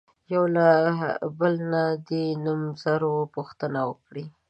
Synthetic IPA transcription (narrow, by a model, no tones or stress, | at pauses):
jawlabəlnad̪enumzaɾopuxt̪ənawəkɽi